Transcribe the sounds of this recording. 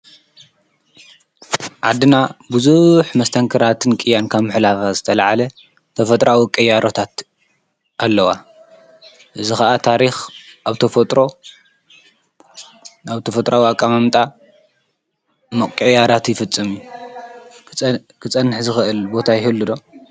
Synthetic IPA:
ʕad̪ɨnabuzuħmɐst̪ʰɐŋkʰɨɾat̪ʰɨnkʼɨjːankʰaβmɨħlafazɨt̪ʰɐlʕalɐ | t̪ʰɐfɐt̪ʼɾawikʼɐjːaɾot̪ʰat̪ | ʔalːɐwa | ʔɨzixɐʔat̪ʰaɾixʔaβt̪ʰɐfɐt̪ʼɾo̞ | aβt̪ʰɐfɐt̪ʼɾawiakʼamamt̪ʼa | mɐkʼɐjːaɾat̪jɪfɨt͡sʼːɨmu | kʰɨt͡sʼɐnːɨħzɨxɨʔɨlbo̞t̪ʰajɪhɨlːɨd̪o̞

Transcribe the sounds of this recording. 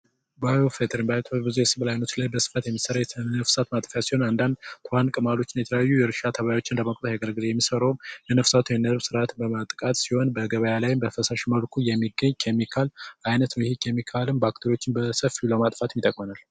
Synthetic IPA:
bajofet̪ʰɾimbajt̪ʰbɨzujɛsɨβlajnot̪lajbəsɨ̥fat̪jɛmːisəɾaəfsat̪mat̪ʼfjasiho̞nand̪and̪t̪ʰohankʼɨmalo̞t͡ʃːɪnjɛt̪ʰələjajːujɛɾɨʃat̪ʰəβajajwo̞t͡ʃːɪnləməkʼt̪ʼəjaɡəɾɡɨlejɛmːisəɾowmjɛnəfsat̪ʰujɛnəɾβsɨɾat̪ʰɨbəmat̪ʼkʼat̪siho̞nbəɡəβəjalajɪmbəfəsaʃməlkʰujɛmːiɡəɲkʰemːikʰalʔajnət̪nəwjhikʰemːikʰalɨmbak̚t̪ʰoɾijo̞t͡ʃːɪmbəsəfiuləmat̪ʼfat̪mit̪ʼəkʼmənal

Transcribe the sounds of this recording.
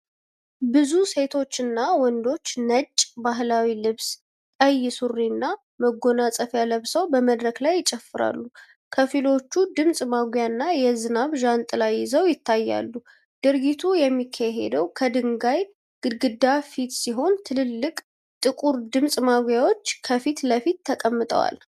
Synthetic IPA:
bɨzuse̞t̪ʰo̞t͡ʃːɨnːawɔnd̪o̞t͡ʃːnət͡ʃʼːbaɦlawilɨβs | t̪ʼəjɪsurːinːa | məɡo̞nasʼəfjaləβsəwbəməd̪ɾəklajːɪt͡ʃʼɛfːɨɾa̰lːu | kʰəfilo̞t͡ʃːud̪ɨmsʼmaɡʷjanːajɛzɨnaβʒant̪ʼɨlajːɪzəwjɪt̪ʰːajːa̰lːu | d̪̥ɨɾɡit̪ʰujɛmːikʰːaɦḛd̪əwkʰəd̪ɨŋɡaj | ɡ̥ɨɡɨd̪afit̪siɦo̞nt̪ʰɨlɨlːɨkʼ | t̪ʼɨkʼuɾd̪ɨmsʼmaɡjawo̞t͡ʃːkʰəfit̪ləfit̪ːʰəkʼəmːɨt̪ʼə̰wa̰l

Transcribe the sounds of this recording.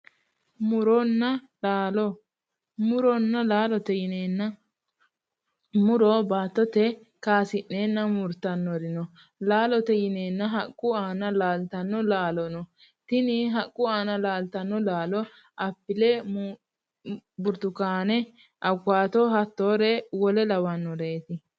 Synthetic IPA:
mʊɾɔnːɐ | laːlɔ | mʊɾɔnːɐlaːlɔt̪ɛjɪneːnːɐ | mʊɾɔbaːt̪ːɔt̪ɛ | kaːsɪʔːeːnːɐmʊɾt̪ɐnːɔɾɪnɔ | laːlɔt̪ɛjɪneːnːɐɦɐkʼːʊaːnɐlaːlt̪ɐnːɔlaːlɔnɔ | t̪ɪnɪɦɐkʼːʊaːnɐlaːlt̪ɐnːɔlaːlɔ | ʔɐpːɪlɛ | bʊɾt̪ʊkaːnɛ | ʔɐɡaːt̪ɔhɐt̪ːoːɾɛwɔlɛlɐwɐnːɔɾeːt̪ɪ

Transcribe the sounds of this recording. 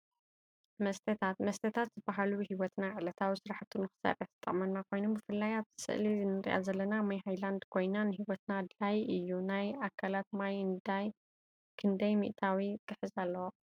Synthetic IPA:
mɐst̪ʰɐt̪ʰat̪mɐst̪ʰɐt̪ʰat̪z̥ɨbaɦaluhiwɔt̪naʕɨlɐt̪ʰawisɨɾaħt̪ʰːunɨxɨ̥sɐ̰rɐħt̪ɨ̥t̪ʼːɐ̰χʼmɐnːakʰo̞jnombɨfɨlːajaβt̪ʰɨ̥sɨ̰ʔlizɨnɨɾ̰ʔa̰zɐlːɐnamajɦajland̪kʰo̞jnanɨɦiwɔt̪nad̪lajɨjːunajakʰːalat̪̚majɨnd̪aj | kʰɨnd̪ɐjmḭʔt̪ʰawit̪ʼɨħɨzalːɐwo

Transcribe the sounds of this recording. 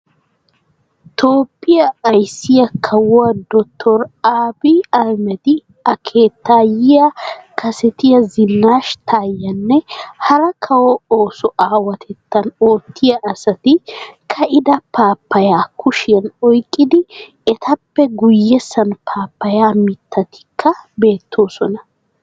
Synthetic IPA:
t̪ʰoːpʼːɪjɐːjsːɪjɐkʰɐwɐd̪ɔt̪ʰːɔɾaːbiːɐɾmɛt̪ɪ | ɐkʰeːt̪ːaːjɪjɐkʰɐsɛt̪ɪjɐzɪnːaːʃt̪ʰaːjɐnːɛhɐɾɐkʰɐwooːsɔʔaːwɐt̪ʰɛt̪ːɐnoːt̪ʰːɪjɐʔːsɐt̪ɪkʰɐʔɪd̪ɐpʰaːpːɐjaːkʰʊʃɪjɐnɔjkʼːɪd̪ɪ | ɛt̪ʰɐpːɛɡʊjːɛsːɐnpʰaːpːɐjaːmɪt̪ʰːɐt̪ɪ̥kʰːɐbe̞ːt̪ʰːo̞ːsɔnɐ

